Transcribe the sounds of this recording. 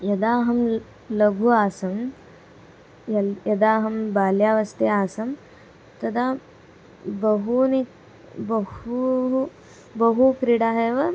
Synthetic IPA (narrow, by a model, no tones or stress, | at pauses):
jɐd̪aːɦɐm | lɐɡʱuːaːsɐm | ɐjɐd̪aːɦɐmbaːljaːʋɐst̪eaːsɐm | t̪ɐd̪aː | bɐɦuni | bɐhu | bɐɦukɾiɽaːɦeʋɐ